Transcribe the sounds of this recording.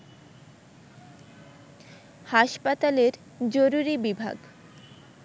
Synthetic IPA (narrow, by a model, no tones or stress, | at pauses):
haʃpat̪aleɾ | d͡ʑoɾuɾibibʱa̰ɡ